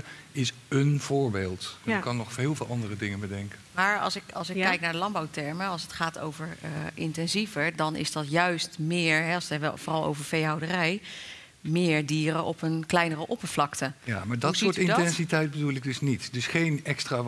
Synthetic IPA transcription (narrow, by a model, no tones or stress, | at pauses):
ɪsənv̥ʊːɹbeːlˠtkɑnːɔχfeːlˠvɪːlˠɑndərədɪŋənbədɛŋkənmaːɹɑ̰lˠsɪkɑ̰lˠsɪkkːɛjk̚naːɹdəlɑmbawtɛɹməɑlˠsətχaːtʰo̰wvəɹʔɪntɛnzivəɹdɑnɪ̰zdɑtjœɥstmɪːɹɦɛɑlsɛb̰vɔːrɑlˠo̰wvəɹfejɦawdərɛj | mɪːɹdiːɾəʔɔpənklɛjnərəʔɔpəɹv̥lɑktəja̰ːmaːɹdɑtsʊːɹtɪnntɛnsitɛjt̚bədulɪɡ̚dɵsnitdɵsχejnɛkstra